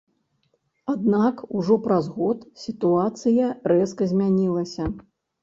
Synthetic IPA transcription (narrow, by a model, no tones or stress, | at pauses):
ad̪nakuʐɔpɾazɣɔt̪sʲit̪uat̪sɨjɐɾɛskɐzʲmʲanʲilˠɐsʲɐ